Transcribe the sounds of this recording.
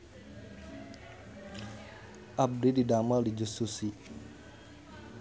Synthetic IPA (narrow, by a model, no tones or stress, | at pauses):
ʔab̚dididamadid͡ʒust̪usi